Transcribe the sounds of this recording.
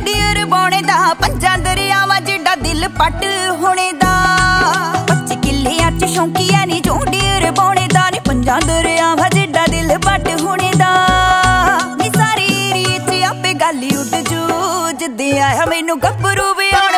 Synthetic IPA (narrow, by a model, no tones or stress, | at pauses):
ɖijəɾbɔːɽ̃eːd̪aːpəɲd͡ʒãːd̪əɾaːʋãːd͡ʒeːɖaːd̪ɪlpəʈɦoːɳ̃eːd̪aː | pət͡ʃiːkɪlːeːãːt͡ʃːʃõːkiːaːniːd͡ʒõːɖiːəɾbɔːɽ̃eːd̪aːniːpəɲd͡ʒãːd̪əɾaːʋãːd͡ʒeːɖaːd̪ɪlpəʈɦoːɽ̃eːd̪aː | eːsaːɾiːɾiːt͡ʃiaːpẽːɡaːlːiːʊd̪d͡ʒuːd͡ʒɪd̪eːaːjaːmeːnũːɡəbəɾuːbeaː